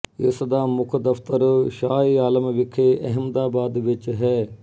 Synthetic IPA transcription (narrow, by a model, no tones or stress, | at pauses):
ɪsd̪aːmʊkʰd̪ɐft̪əɾʃaːiːaːləmʋɪkʰeʔɐɦɪmd̪aːbaːd̪ʋɪt͡ʃɦɛː